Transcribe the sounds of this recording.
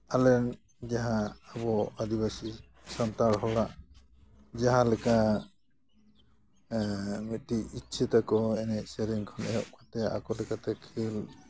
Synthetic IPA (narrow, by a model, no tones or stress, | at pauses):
alɛn | d͡ʒaɦãːbɔad̪ibasi | sant̪aɾɦɔɽaʔ | d͡ʒaɦãlɛka | mit̪̚ˀʈiʔitt͡ʃʰɛt̪akɔɛnɛʔsɛɾiŋkʰɔnɛjɔʔkʰant̪ɛa̰kɔlɛkat̪ɛkʰil